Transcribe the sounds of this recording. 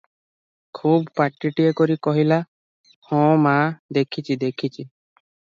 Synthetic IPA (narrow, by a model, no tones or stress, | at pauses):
kʰubpaʈːiʈiekɔɾikɔɦila | hɔ̃mad̪ekʰit͡ʃʰid̪ekʰit͡ʃʰi